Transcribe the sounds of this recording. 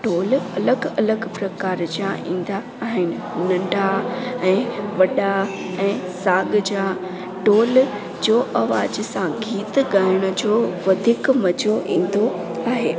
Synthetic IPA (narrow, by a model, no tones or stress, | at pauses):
ʈoːlɐləɡɐləɡpɾɐkaːɾd͡ʑijãʔḭ̃ːn̆d̪aːɦɪnɪ̆nɐ̃ɳɖʱaɛ̃ːʋɐɗa | ɛ̃ːsaːɡd͡ʑa | ʈoːl | d͡ʑoːʔɐʋaːd͡ʑsãɡʱiːt̪ɠaːɪɽ̃ʊ̆d͡ʑoːʋɐd̪ʱiːkmɐd͡ʑoʔĩːn̆d̪oaːɦeː